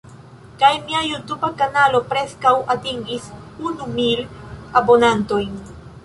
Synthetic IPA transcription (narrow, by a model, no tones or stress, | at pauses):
kajmiajutubakanalo̞pɾe̞skawʔatiŋɡis | unumilabo̞nanto̞jn